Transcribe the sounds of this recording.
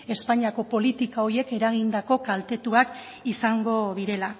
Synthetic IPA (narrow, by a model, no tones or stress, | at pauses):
e̞spaɲiako̞po̞lit̪ikao̞ɾie̞ke̞ɾaɣ̞ind̪ako̞kalt̪e̞t̪uak | isaŋɡo̞ðiɾe̞la